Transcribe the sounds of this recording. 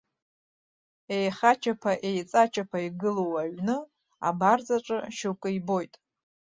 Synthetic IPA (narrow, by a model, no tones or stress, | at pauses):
e̞jχat͡ʃʰapʰaʔe̞jt͡sʼat͡ʃʰapʰaiɡɨlowaɥnɨ | a̰bard͡zaʈ͡ʂʼɨ̰ʃukʷʼɨibo̞jtʼ